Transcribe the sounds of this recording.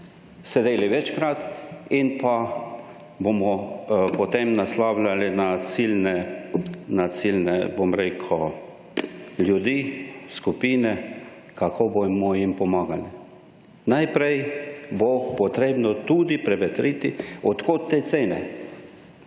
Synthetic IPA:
sɛd̪eːliʋɛt͡ʃkɾat̪inpa | bomɔpɔt̪emnaslawlalinasilnɛ | nat̪silnɛ̰bomɾekʰɔ | ljud̪iːskupiːnɛ | kʰakʰobomɔjimpɔmaːɡali | najpɾɛjbopɔt̪ɾeːbnɔt̪ud̪ipɾɛʋɛt̪ɾit̪iɔt̪koːt̪ːeseːnɛ

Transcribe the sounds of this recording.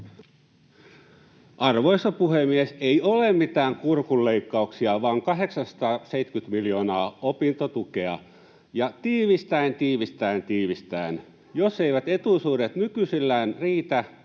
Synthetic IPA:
ʔɑrʋoist̪opuhemieseiolemmit̪æːŋkurkulːeikːɑuksiɑʋɑːŋkɑɦeksɑnsɑ̥t̪ɑːseit̪kyt̪miljoːnɑːopint̪ot̪ukeɑ̰ | jɑt̪iːʋist̪æint̪iːʋist̪æint̪iːʋist̪æn | joseiʋæt̪et̪usuːdet̪nykysilːæːnriːt̪æ

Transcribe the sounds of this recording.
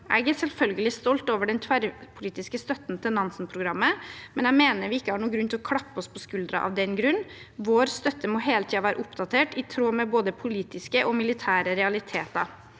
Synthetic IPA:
ʔæ̰ɪɡæsɛlfœlɡəlɪst̪ɔlt̪oːʋəɖɛnt̪ʰʋæɾpʰʊliːt̪ɪskəst̪œt̪ːn̩t̪ʰɪlnɑnsnpʰɾʊɡɾɑmːəmɛnæmeːnəɾʋɪɪkːəhɑɳuːɡɾʉnt̪ʰɪlɔkʰlɑpːəɔspʰɔskʉld̪ɾɑ̰ʔɑ̰ʋd̪ɛnɡɾʉnː | ʋoːɾst̪œt̪ːəmɔɦeːlət̪ʰiːɑʋæːɾə̰ʔʊpd̪ɑt̪ʰeːʈɪt̪ʰɾoːmɛboːd̪əpʰʊliːt̪ɪskəʔɔmɪlɪt̪ʰæːɾəɾɛɑlɪt̪ʰeːt̪ɑ̰

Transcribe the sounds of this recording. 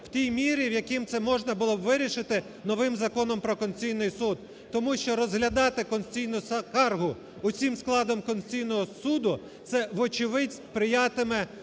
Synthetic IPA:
w̥t̪ʲijmʲiɾʲiwjɐkimt̪sɛmɔʒnɐbʊlˠɔbʋɪɾʲiʃɪt̪ɪ | nɔʋɪmzɐkɔnɔmpɾɔkɔnʲt͡sʲijnɪjsud̪̚ː | ɔmuʃt͡ʃɔɾɔzɦlʲɐd̪ɑt̪ɪkɔnsʲt͡sʲijnʊskɑrɦʊ | ʊt͡sʲimsklˠɑd̪ɔmkɔnʲt͡sʲijnɔɦɔsud̪ʊ | t̪sɛʋɔt͡ʃɪʋɪdʲsʲpɾɪjɑt̪ɪmɛ

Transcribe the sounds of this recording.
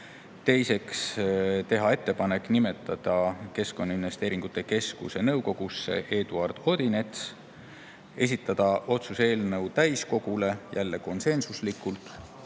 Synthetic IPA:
t̪e̞jse̞kst̪e̞ɦɑe̞t̪ːe̞pɑne̞kˑnime̞t̪ːˑɑd̪̥ɑke̞sko̞nːɑinve̞st̪eːɾiŋɡ̥ut̪ːˑe̞ke̞skṵse̞nɤwko̞ɡ̥usːe̞̰ʔe̞ːd̪̥uɑrd̪̥o̞d̪̥ine̞t̪s | e̞s̬it̪ːˑɑd̪̥ɑʔo̞t̪suse̞ːlnɤwt̪æjsko̞ɡ̥ule̞jælːe̞ko̞nse̞nsuslikːˑult̪ˑ

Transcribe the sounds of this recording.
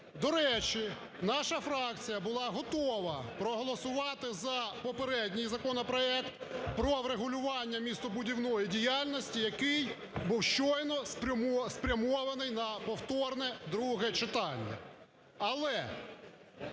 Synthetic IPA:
d̪ɔɾɛt͡ʃi | nɑʃɐfɾɑkt͡sʲijɐbʊlˠɑɦɔt̪ɔʋɐpɾɔɦɔlˠɔsʊʋɑt̪ɪzɐpɔpeɾɛdʲnʲijzɐkɔnɔpɾɔɛkt̪pɾɔʋɾeɦʊlʲʊʋɑnʲːɐmʲist̪ɔbʊdʲiwnɔjidʲijɑlʲnɔsʲtʲijɐkɪj | buwʃt͡ʃɔjnɔsspɾʲɐmɔʋenɪjnɐpɔwt̪ɔrnɛd̪ɾuɦɛt͡ʃɪt̪ɑnʲːɐ̰ | ɐlˠɛ

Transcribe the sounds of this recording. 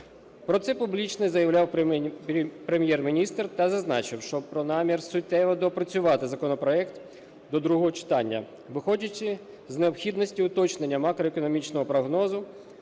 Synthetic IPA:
pɾɔt̪sɛpublʲit͡ʃnɪzɐjɐwlʲaw | pɾemʲjɛrmʲinʲist̪rt̪ɐzɐznɑt͡ʃɪwʃt͡ʃɔpɾɔnɑmʲirsʊt̪ɛʋɐd̪ɔpɾɐt͡sʲʊʋɑt̪ɪzɐkɔnɔpɾɔɛkt̪ | d̪ɔd̪ɾuɦɔɦɔt͡ʃɪ̥t̪ɑnʲːɐ̰ | ʋɪxɔdʲɐt͡ʃːɪ | zneɔpxʲid̪nɔsʲtʲiʊt̪ɔt͡ʃnenʲːɐmɑkɾɔekɔnɔmʲit͡ʃnɔɦɔpɾɔɦnɔzʊ

